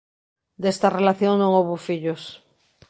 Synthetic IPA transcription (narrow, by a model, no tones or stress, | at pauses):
d̪est̪arelaθjoŋnõŋowβofiʎos